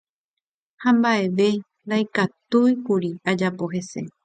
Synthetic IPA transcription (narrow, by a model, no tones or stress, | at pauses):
hãmbaʔe̞ʋe̞ | ɾajkat̪ujpuɾiad͡ʒapo̞ɦe̞se̞̰